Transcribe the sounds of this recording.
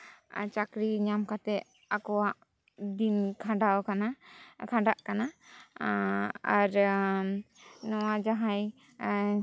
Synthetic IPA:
t͡ʃakɾiɲamkat̪ɛ | akɔwaʔ | d̪inkʰaɖawkanakʰaɖaʔkana | aɾ | nɔwad͡ʒaɦãj

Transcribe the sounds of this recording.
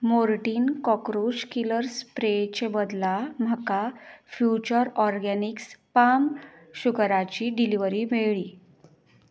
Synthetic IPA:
moɾʈiːnkɔkɾuɕkiləɾspɾet͡ɕebəd̪lam̤əkafjut͡ɕəɾɔɾɡɛnikspam | ɕukɾat͡ɕiːɖiliʋəɾiːmeɭiː

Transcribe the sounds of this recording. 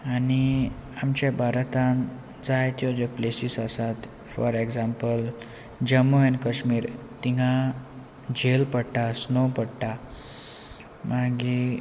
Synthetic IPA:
añiamt͡ɕjabʱaɾt̪ãn | d͡zajt̪iod͡ʑəplesisəsat̪ | fɔɾeɡzampəl | d͡ʑəmːuɛ̃nkəɕmiːɾ | t̪iŋɡa | d͡ʑelpəɽʈasnopəɽʈa | maɡi

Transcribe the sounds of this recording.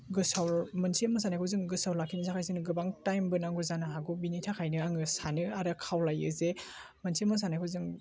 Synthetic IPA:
ɡɯsawmɯnsʰiɐmɐs̬anakʰɯwzɯŋɡɯsawlakʰːinizakʰajzɯnɯɡɯbaŋtajmbɯnaŋɡɯzanɯɦaɡubinitʰakʰajnɯaŋɯsanɯaɾɯkʰawlajɯ̰ze | mɯnsʰimas̬anakʰɯwzɯŋ

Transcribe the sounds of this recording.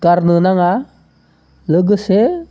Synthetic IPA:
ɡaɾnɯnaŋa | ləɡɯse

